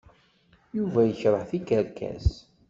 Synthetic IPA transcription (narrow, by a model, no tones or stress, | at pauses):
juvæjəçɾˤəħθikəɾkæ̰s